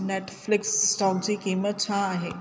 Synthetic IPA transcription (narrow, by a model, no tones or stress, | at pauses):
neʈflɪksːʈant͡ɕikimʋət͡ɕʰãːɦe